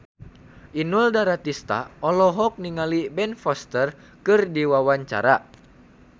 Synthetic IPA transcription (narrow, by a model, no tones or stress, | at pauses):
ʔinuldaɾat̪ist̪a̰ʔɔlɔɦɔk̚niŋalibɛnfɔst̪ər | kɨrdiwawaɲt͡ʃa̰ɾa